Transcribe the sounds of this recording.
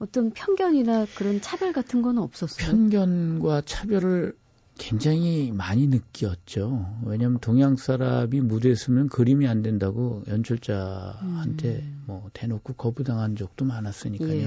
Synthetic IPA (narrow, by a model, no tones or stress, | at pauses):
ʌt͈ʌnpʰjʌnɡʲjʌɲinakɯɾʌnt͡ɕʰabjʌɭɡatʰɯnɡʌnɯnʌp̚s͈ʌs͈pʰjʌnɡjʌnɡwat͡ɕʰabjʌɾɯɭ | kwe̞ŋd͡ʑaŋimaɲinɯk̚k͈iʌt̚t͡ɕ͈owe̞ɲamjʌntoŋjaŋs͈ʰaɾamimude̞s͈ɯmjʌnkɯɾimiande̞ndaɡojʌnt͡ɕʰuɭt͡ɕ͈ahantʰe̞mwʌte̞nokʰukʌbudaŋɦand͡ʑok̚t͈omanas͈ɯɲik͈ao